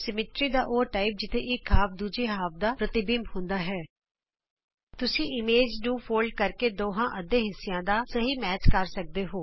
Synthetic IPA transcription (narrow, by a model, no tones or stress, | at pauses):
sɪmɪʈɾiːd̪aːʔoːʈaːip̚d͡ʒɪt̪ʰeːʔɪkɦaːp̚d̪uːd͡ʒeːɦaːp̚d̪aːpɾət̪ɪbɪmhʊ̃nd̪aːɦɛː | t̪ʊsĩːʔɪmeːd͡ʒnũːpʰoːlɖ̚kəɾkeːd̪oːɦãːʔəd̪eːɦɪsːɪjãːd̪aːsəɦiːmɛːt͡ʃkəɾsək̚d̪eːɦoː